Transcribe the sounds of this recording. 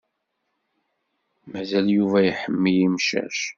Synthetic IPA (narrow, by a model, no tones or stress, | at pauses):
mæzæljuvæjəħəmːijimʃæ̰ʃ